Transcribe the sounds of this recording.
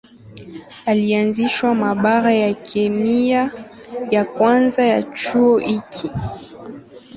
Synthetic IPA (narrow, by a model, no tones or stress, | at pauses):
alianziʃwamaɓaɣajakʰɛmia | jakwanzaja̰t͡ʃuɔʔikʰi